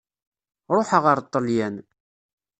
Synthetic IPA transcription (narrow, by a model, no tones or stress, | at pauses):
ɾˤoħəʁəɾt̪ˤːəljæn